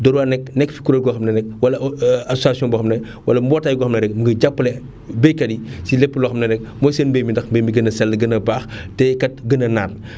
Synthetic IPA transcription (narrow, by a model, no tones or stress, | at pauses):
dɔɾwanɛk̚nɛkfi̥kuɾɐɡɔːxɐmnɐnɛk̚wɐlɐasasiɔ̃nbɐxɐmnɐ | wɐlɐmbɔːtːaːjɡɔːxɐmnɐnɛk̚məŋɡɐɟapːlɛ | bejkɐdisilɛpːəlɔxɐmnɐnɛk̚mɔjsenbejmindɐxmbemiɡənɐsɛlːɡənɐbaːxtɛkɐt̚ɡənɐnaːl